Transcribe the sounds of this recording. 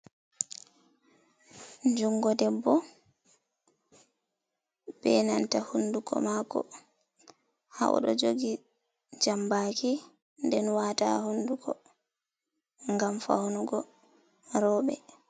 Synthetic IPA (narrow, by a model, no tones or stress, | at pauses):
ɲd͡ʒuŋɡɔdɛbːɔ | b̥ɛnantahundukɔ̰makɔ̰ | ha̰ʔɔ̰ɗɔ̰d͡ʒoɡi | d͡ʒambaki | ndɛnwaːta̰hundukɔ | ŋɡamfa̰hunuɡɔ | ɾɔːɓɛ